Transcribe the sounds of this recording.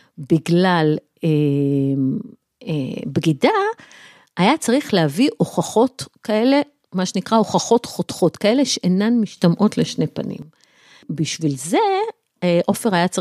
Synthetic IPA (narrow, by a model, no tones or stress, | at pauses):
biɡlal | e | ebɡida | ajat͡saʁiχlehaviʔo̞χaχo̞tkae̞le̞ | maʃenikʁao̞χaχo̞tχot̪χo̞t̪kae̞le̞ʃeʔenanmiʃtamʔo̞tleʃne̞pa̰nḭm | biʃvilze̞ | ʔo̞feʁajat͡sa